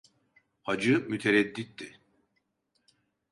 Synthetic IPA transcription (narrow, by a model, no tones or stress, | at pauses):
had͡ʒɯmyt̪ʰeɾɛd̪ːit̪ːi